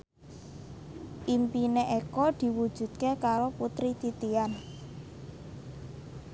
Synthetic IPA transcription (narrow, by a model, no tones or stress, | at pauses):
ʔimpineʔekɔd̪̥i̤wud̥ʒ̥ṳt̪̚kekaɾoput̪ɾit̪it̪ian